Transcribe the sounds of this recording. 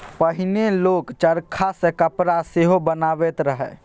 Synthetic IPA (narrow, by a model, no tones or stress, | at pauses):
pəɦɪneloːkt͡ʃəɾkʰasẽkəpɾaseɦobənaːʋet̪ɾəɦɛ̰ː